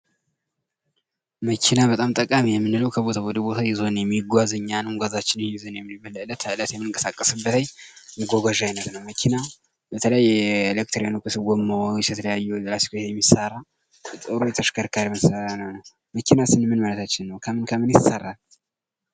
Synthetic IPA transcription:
məkʰinabət̪ʼamt̪ʼəkʼamijɛmːɨnɨləwkʰəbo̞t̪ʰawɔd̪əbo̞t̪ʰajɛzo̞njɛmːiɡʷazəɲːannɡʷazat͡ʃːɪnnizonjɛmːibəlːəlːət̪ələt̪jɛmːɨnɨŋkʼəsakʼːəsɨbːət̪ʰəɲmɨɡʷoɡʷaʒajinət̪nəwməkʰina | bət̪ʰələjajːɛlek̚t̪ʰɾjanokʰɨsɨɡʷomːəwat͡ʃjɛt̪ʰələjajːuzlasi̥kʰojɛmːisarːa | t̪ʼəɾujɛt̪ʰəʃkʰəɾkʰaɾiməsəranənəw | məkʰinasɨnmɨnmalət̪ʰat͡ʃːɪnːəwkʰəmɨnkʰəmɨnjɪsarːal

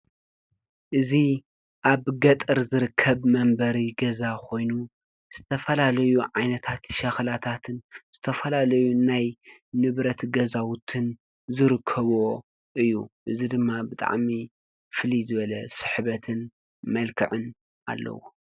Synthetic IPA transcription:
ʔɨzi | ʔaβɡɐt̪ʼɨɾzɨɾɨkʰːɐβmɐmbɐɾiɡɐzakʰo̞jnu | z̥ɨt̪ʰɐfɐlalɐjuʕajnɐt̪ʰat̪ʃɐxlat̪ʰat̪ʰɨnz̥ɨt̪ʰɐfɐlalɐjunajnɨβɾɐt̪ɡɐzawʊt̪ʰɨn | zɨɾɨkʰːɐβo | ʔɨjːṵʔɨzid̪ɨmːabɨt̪ʼa̰ʕmi | fɨlizɨβɐlɐsɨ̥ħβɐt̪ʰɨn | mɐlkʰɨʕɨn | ʔa̰lːɐ̰wo

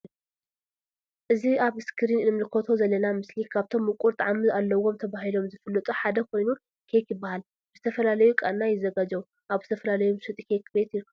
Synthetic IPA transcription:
ʔɨziaβɨskʰɨɾinɨmlɨkʰo̞t̪ʰo̞zɐlːɐnamɨslikʰaβt̪ʰo̞mːɨkʼuɾt̪ʼaʕamɨzalːɐwo̞mt̪ʰɐβaɦilo̞mzɨfɨlːɐt̪ʼuħad̪ɐkʰo̞jnu | kʰejkjɪbːahal | bɨzɨt̪ʰɐfɐlalɐjukʼanːajɪzɐɡad͡ʒɐwu | ʔaβzɨt̪ʰɐfɐlalɐjumsɨt̪ʼikʰejkʰːɨbet̪i

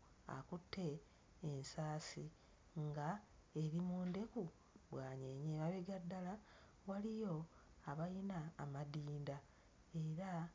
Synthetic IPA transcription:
a̰kutʰːe̞ː | nsaːsi | ŋɡa | e̞ɾimuːnde̞ku | βwaːɲeɲeβaβeɡadːala | walijo̞ | aβajinaːmadiːnda | e̞ɾa

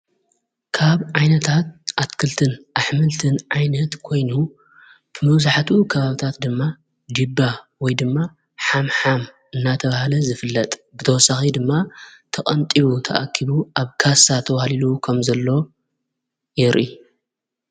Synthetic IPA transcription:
kʰaβʕajnɐt̪ʰat̪̚ʔat̪kʰɨlt̪ʰɨnʔaħmɨlt̪ʰɨnʕajnɐt̪kʰo̞jnu | b̥ɨmɐβzaħt̪ukʰɐβaβɨt̪ʰat̪d̪ɨmːa | d͡ʒibːawɔjd̪ɨmːa | ħamħam | ɨnːat̪ʰɐβahlɐzɨfɨlːɐt̪ʼbɨt̪ʰɐwɔsaxid̪ɨmːat̪ʰɐkʼɐnt̪ʼiβut̪ʰɐʔakʰːiβuaβkʰasat̪ʰɐwahlilukʰɐmzɐlːo̞ | jɛɾʔi

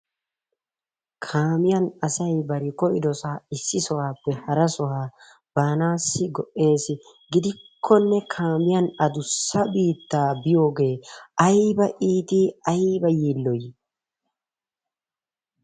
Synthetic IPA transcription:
kʰaːmɪjɐnɐsɐjbɐɾɪkɔʔɪd̪ɔsaːɪsːɪsɔhaːpːɛhɐɾɐsɔhaː | b̥aːnaːsːɪɡɔʔe̞ːsɪ | ɡɪd̪ɪkʰːɔnːɛkʰaːmɪjɐnɐd̪ʊsːɐbiːt̪ːaːbɪjo̞ːɡe̞ːɐjbɐʔiːt̪iɐjbɐjiːlːɔj

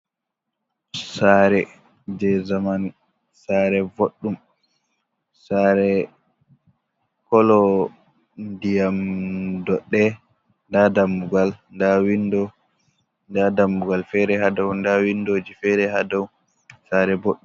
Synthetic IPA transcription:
saɾɛ | d͡ʒɛzaman | saɾɛvoɗːum | saɾɛ | kɔlɔ | ndijamdɔɗɛ | ndadamːuɡalndawindɔ | ndadamːuɡalfɛɾɛhadɔwndawindod͡ʒifɛɾɛhadɔw | saɾɛboɗːu

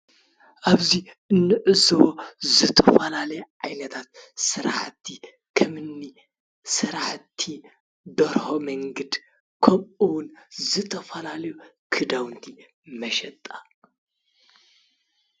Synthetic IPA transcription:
ʔaβziʔɨnːɨʔɨzɐwozɨt̪ʰɐfɐlalɐjɛʕajnɐt̪ʰat̪̚sɨɾa̰ħt̪ʰːi | kʰɐmɨnːi | sɨɾaħt̪ʰːi | d̪ɐɾhomɐŋɡɐd̪ | kʰɐmɨwʊnzɨt̪ʰɐfɐlalɐjukʰɨd̪awnt̪ʰi | mɐʃɛt̪ʼa

